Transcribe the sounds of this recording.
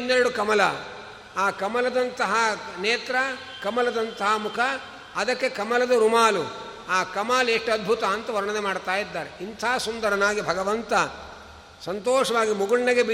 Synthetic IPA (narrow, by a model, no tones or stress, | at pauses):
nːeɾɐɽukɐmɐlɐ | aːkɐmɐlɐd̪ɐnt̪ɐɦɐneːt̪ɾɐ | kɐmɐlɐd̪ɐnt̪ɐɦɐmukʰɐː | d̪ɐkːekɐmɐlɐd̪ɐɾumaːlu | aːkɐmaːleʂʈɐd̪̚bʱut̪ɐːnt̪ɐʋɐɾɐɳɐd̪emaːɽt̪aːjid̪ːaːɾeint̪aːsund̪ɐɾɐnaːɡibʱɐɡɐʋɐnt̪ɐ | sɐnt̪oːʂɐʋaːɡimuɡuɭnɐɡebi